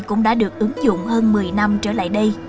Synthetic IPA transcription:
kʊ̰˧˥ŋ͡mɗa̰ː˧˥ɗɨ˨˩ək̚ʔɨ˨˦ŋzʊ̰˧˨wŋ͡mhəː˧nmɨ˨˩əjna˧mt͡ɕəː˧˩la̰ː˧˨jɗə˧j

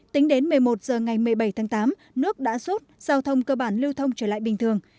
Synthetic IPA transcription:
t̪ï˨˦ŋ̟ɗe˨˦nmɨ˨˩əjmo˨˩t̚z̥əː˨˩ŋa˨˩jmɨ˨˩əjɓa˧˩jt̪ʰaː˨˦ŋt̪aː˨˦m | nɨ˦˥ək̚ɗa̰ː˧˥so˦˥t̚z̥aː˧wt̪ʰə˧wŋ͡mkəː˧ɓaː˧˩nli˧əwt̪ʰə˧wŋ͡mt͡ɕəː˧˩la̰ː˧˨jɓï˨˩ŋ̟t̪ʰɨ˨˩əŋ

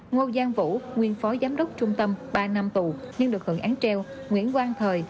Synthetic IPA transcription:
ŋo˧zaː˧ŋvṵ˧˥ŋwi˧˩ənfɔ˨˦zaː˨˦mɗə˦˥wk͡p̚t͡ɕʊ˧ŋ͡mt̪ə˧mɓaː˧na˧mt̪u˨˩ɲɨ˧ŋɗɨ˨˩ək̚hɨ̰˧˩əŋʔaː˨˦ŋt͡ɕɛ˧w | ŋwḭ˧˥ənkwaː˧ŋt̪ʰəː˨˩j

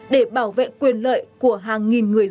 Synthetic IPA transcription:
ɗe˧˩ɓaː˧˩wvḛ˧˨kwi˨˩ənlə̰ː˧˨jku˧˩əɦaː˨˩ŋŋi˨˩nŋɨ˨˩əj

